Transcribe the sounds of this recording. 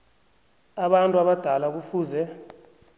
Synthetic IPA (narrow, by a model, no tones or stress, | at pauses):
aɓantʼuaɓad̥ʱalak̬ufuːzɛ